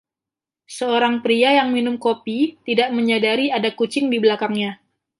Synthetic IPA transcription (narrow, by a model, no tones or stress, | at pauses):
səoɾaŋpɾiajaŋminʊmkopit̪idaʔməɲadaɾiadakut͡ʃɪŋdibəlakaŋɲa